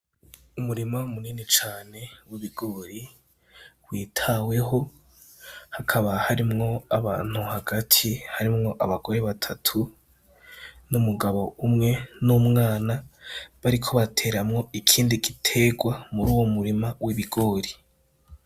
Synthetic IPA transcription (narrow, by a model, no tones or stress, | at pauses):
umuɾimamuniːnit͡ʃaːne̞wiβiɡ̥oːɾi | wiːtʰawe̞ɦo̞ | hakʰaβahaɾimŋo̞aβaːn̥huhaɡatʰihaɾimŋo̞ʔaβaɡo̞ɾeβatʰatʰu | numuɡaβo̞umŋe̞numŋaːnaβaɾikʰo̞βatʰe̞ːɾamŋo̞ikʰiːndiɡitʰe̞ɡwamuɾuːwomuɾimawiβiɡo̞ːɾi